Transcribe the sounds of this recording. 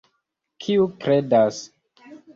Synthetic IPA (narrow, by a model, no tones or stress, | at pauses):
kʰiukɾedas